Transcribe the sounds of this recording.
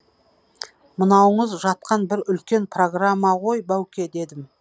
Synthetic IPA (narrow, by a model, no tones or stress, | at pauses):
mənɑwəɴəzʒɑt̪̚qɑnbɪɾʏlkʲe̞npro̞ɡramːɑʁo̞jbæwkʲe̞d̪e̞d̪ɪm